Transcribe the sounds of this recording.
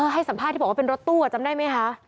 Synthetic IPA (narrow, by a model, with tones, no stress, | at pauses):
ʔɤː˧ɦa˥˩jsa˩˦mpʰaː˥˩t̪ʰi˥˩ɔ˨˩waː˥pe˧nɾo˦˥t̪ːu˥˩a˨˩t͡ɕa˧mdaː˥˩jma˦˥jkʰa˦˥ʔ